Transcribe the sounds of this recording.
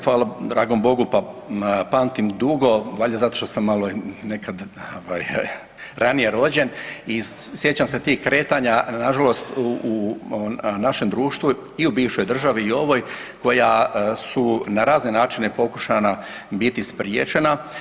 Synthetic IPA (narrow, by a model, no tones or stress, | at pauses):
fʋaːlad̪ɾaːɡo̞mbo̞ɡupapaːnt̪imd̪uɡo̞ʋaʎazat̪o̞ʃt̪o̞samːalone̞kʰad̪oʋaːj | ɾanije̞ɾo̞ːd͡ʑenisje̞t͡ɕamse̞t̪iːhkɾe̞ːt̪aɲanaʒalo̞st̪u | naʃe̞md̪ɾuːʃt̪ʋu | iubiːʋʃo̞jd̪r̩ʒaʋiːo̞ʋo̞ːj | ko̞jasunaɾaːzne̞naːt͡ʃine̞po̞ku̥ʃana | bit̪ispɾijḛːt͡ʃe̞na